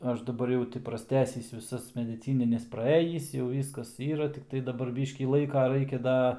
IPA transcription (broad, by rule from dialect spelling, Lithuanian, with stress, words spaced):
ˈɐʃ dɐˈbɐr jɛʊ ˈtʲɪ prɐsʲˈtʲæːsʲɪs ʋʲɪˈsɐs mʲɛdʲɪˈt͡sʲiːnʲɪnʲɛs prɐˈeːjiːs jɛʊ ˈʋʲiːskɐs ˈiːrɐ tʲɪkˈtɐɪ dɐˈbɐr ˈbʲiːʃʲkʲiː ˈlˠɐɪkɐ ˈrɐɪkʲɛ ˈdɐ